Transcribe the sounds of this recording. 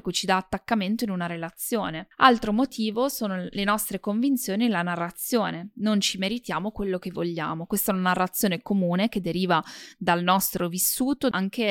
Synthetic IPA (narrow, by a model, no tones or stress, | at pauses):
kwet͡ʃid̪aːt̪ːakːament̪oinunaɾelat̪sːjoːnealt̪ɾomot̪ʰiːvosoːnolenɔst̪ɾekoɱvint̪sjoːnilanarːat̪sːjoːnenont͡ʃimeɾit̪jaːmokwelːok̟evːoʎːa̰ːmokwest̪aɛunanarːat̪sːjoːnekomuːnek̟ed̪ːeɾiːvad̪alnɔst̪ɾovisːuːt̪oaŋke